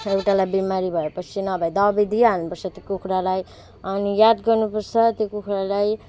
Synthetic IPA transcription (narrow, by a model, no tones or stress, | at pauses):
ewʈalajbimaɾibʱʌepʌt͡sʰinʌbʱajd̪ʌbid̪ʱianupʌrt͡sʰʌt̪okukʰɾalaj | ʌnijad̪ɡʌrnupʌrt͡sʰʌt̪jokukʰɾalaj